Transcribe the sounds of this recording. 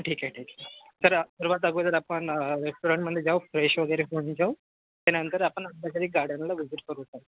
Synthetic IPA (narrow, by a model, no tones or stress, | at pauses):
ʈʰiːkaʈʰiːksəɾsəɾʋat̪əɡod̪əɾapəɳɾesʈuɾãɳʈməd̪ʱjed͡ʑaʋfɾeɕʋəɡəjɾefoɳd͡ʑaw | t̪annənt̪əɾapəɳədd̪ʱakad̪iːɡaɾɖənlaʋid͡ʑiʈ̚kəɾut̪ae